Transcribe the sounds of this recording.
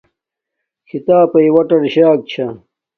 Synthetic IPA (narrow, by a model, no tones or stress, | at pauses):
kʰit̪aːpɐiwɐʈɐɾɕaːk̚t͡ɕʰɐ